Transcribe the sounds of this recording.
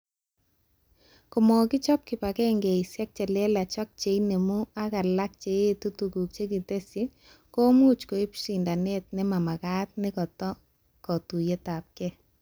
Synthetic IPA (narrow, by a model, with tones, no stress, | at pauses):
ko˨mɔ˨kɪ˦t͡ʃɔ˦p̚kɪ˨pa˨kɛ˦ŋɡe˨sjɛ˦k̚t͡ʃɛ˨lɛ˦la˨t͡ʃɔ˦k̚t͡ʃe˨ine˨mu˦a˦ka˨la˦k̚t͡ʃe˨e˦tu˦tu˨ku˨k̚t͡ʃe˦ki˨te˦sɪ˦ | ko˦mu˦t͡ʃko˨i˦pʃi˨nda˨ne˦t̚nɪ˦ma˨ma˨ka˦t̪̚nɪ˦kɔ˨tɔ˦ | kɔ˨tu˨je˦ta˨p̚kɛ˦